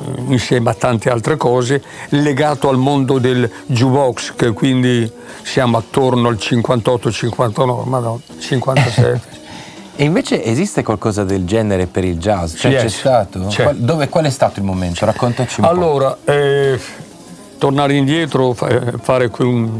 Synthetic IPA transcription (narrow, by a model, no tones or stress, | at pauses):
insjɛːmat̪ːant̪ealt̪ɾekɔːze | leɡaːt̪oalmond̪od̪eld͡ʒubɔkskekːwind̪i | sjaːmoat̪ːornoalt͡ʃiŋkwant̪ɔt̪ːot͡ʃiŋkwant̪anɔmad̪ɔ | t͡ʃiŋkwanasɛ̰t̪ːe̥ | eiɱveːt͡ʃeʔezist̪ekwalkɔːzad̪eld͡ʒɛːneɾepeɾild͡ʒazt͡ʃɛɛt͡ʃɛst̪aːt̪ot͡ʃɛad̪oːvekwalɛst̪aːt̪oilmoment̪oɾakːont̪at͡ʃialːoːɾaɛ | t̪ornaːɾind̪jɛːt̪ɾofafaːɾekwiun